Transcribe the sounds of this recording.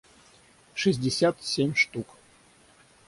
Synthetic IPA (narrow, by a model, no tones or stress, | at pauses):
ʂɨzʲdʲɪsʲat̪sʲemʲʂt̪uk